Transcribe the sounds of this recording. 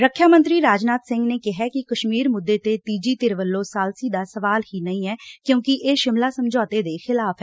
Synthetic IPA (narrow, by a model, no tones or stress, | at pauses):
ɾəkʰːjaːmə̃nt̪ɾiːɾaːd͡ʒnaːt̪sɪ̃ŋɡneːkɪɦɛːkɪkəʃmiːɾmʊd̪ːeːt̪eːt̪iːd͡ʒiːt̪ɪɾʋəlːõːsaːlsiːd̪aːsəʋaːlhiːnəĩːɛːkjõːkɪʔeːʃɪmlaːsəmd͡ʒɔːt̪eːd̪eːxɪlaːpʰɛː